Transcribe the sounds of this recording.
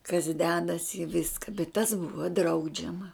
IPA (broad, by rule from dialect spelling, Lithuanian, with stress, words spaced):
kɐs ˈdʲæːdɐs ɪ ˈʋʲɪskɐ bʲɛt tɐs ˈbʊʋɐ ˈdrɐʊd͡ʒʲɛmɐ